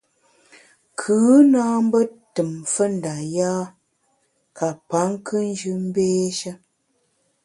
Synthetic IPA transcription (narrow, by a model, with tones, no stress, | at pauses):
kʰɨː˨˦naː˦m˦bə˦tɨ˨mfə˦n̩˨da˨jaː˦ | ka˨pa˨˦ŋ˦kɨ˦n˦d͡ʒʉ˦m̩˦beː˦ʃə˦